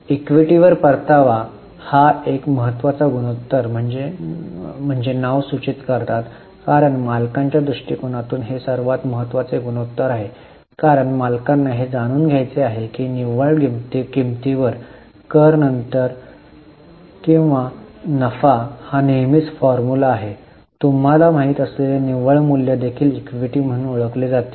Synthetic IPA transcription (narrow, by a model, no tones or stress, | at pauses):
ikʋiʈiʋəɾpəɾt̪aʋa | haekməɦət̪ːʋat͡saɡuɽ̃ot̪ːəɾm̤əɳd͡ze | m̤əɳd͡zenaʋsut͡ɕit̪kəɾt̪at̪ | kaɾəɳmalkaɲt͡ɕjad̪ɾuʂʈikuɽ̃at̪uːnɦesəɾʋat̪məɦət̪ːʋat͡seɡuɽ̃ot̪ːəɾaɦe | kaɾəɳmalkanːaɦed͡zaɽ̃uːnɡʱjajt͡seaɦekiːniʋəɭɡimt̪iɡimt̪iʋəɾ | kəɾnənt̪əɾ | kĩw̃ʋanəfahanemiːt͡sfɔɾmulaːɦe | t̪um̤alam̤aɦit̪əsleleniʋəɭmuljad̪ekʰiːlikʋiʈiːm̤əɽ̃ũːnoɭəkled͡zat̪e̥